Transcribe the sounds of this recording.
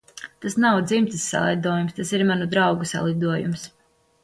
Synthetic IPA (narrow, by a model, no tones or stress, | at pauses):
t̪asnawd̪zimt̪isːa̰lˠid̪uɔjumst̪asiɾmanud̪ɾawɡusa̰lˠid̪uɔjṵms